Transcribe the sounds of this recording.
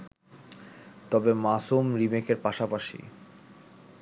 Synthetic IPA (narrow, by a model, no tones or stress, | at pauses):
t̪ɔbemasumɾimekeɾpaʃapaʃḭ